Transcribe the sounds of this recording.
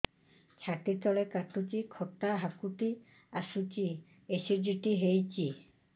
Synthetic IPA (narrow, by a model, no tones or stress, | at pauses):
t͡ʃʰatit̪ɔlekatut͡ʃikʰɔt̪aɦakuʈi | asut͡ʃi | esiɾd͡ʒuʈiɦejt͡ʃi